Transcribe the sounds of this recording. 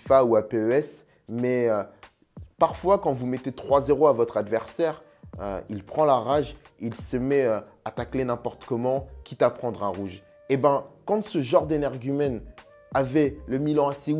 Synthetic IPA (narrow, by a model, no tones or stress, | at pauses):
fauapeøɛs | mɛø | paʁfwakɑ̃vumɛt̪et̪χwazeʁoavɔt̪χad̪vɛʁsɛʁ | ø̰ilpχɑ̃laʁaʒilsəmɛø | at̪aklenɛ̃pɔʁt̪ə̥kɔmɑ̃kʲit̪apχɑ̃d̪ʁɛ̃ʁuʒ | ebɛ̃kɑ̃səʒɑ̃ʁd̪enɛʁɡʲymɛn | avɛləmilɑ̃asi